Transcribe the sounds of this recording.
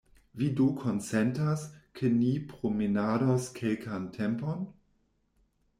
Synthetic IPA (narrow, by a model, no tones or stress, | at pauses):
vidukʰonsɛntaskʰenipɾominaɾoskʰelkantʰɛmpon